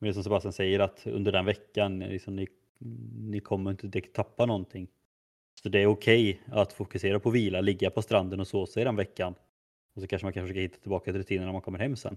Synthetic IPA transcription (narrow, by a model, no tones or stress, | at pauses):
mɛnd̪ɛsɔmsɛbast̪jansɛjːəɾat̪ɵ̰nd̪əɖɛnvɛkːanlɪ̰ksɔmnɪ | nɪkʰɔmːəɾɪnt̪əd̪ɛkt̪ʰapːanɔnt̪ʰɪŋː | sɔd̪ɛːɾʊkʰɛjat̪fʊkɵseːɾapʰɔviːlalɪɡːapʰɔst̪ɾand̪ənɔsoːsɛɪd̪ɛnvɛkːan | ɔsɔkʰanʂəmankʰanʂfʂøkahɪt̪ːat̪ʰɪlbɑːkat̪ɪɾɵt̪ʰiːnənɳæɾmankʰɔmːəɾhɛmːsɛ̰nː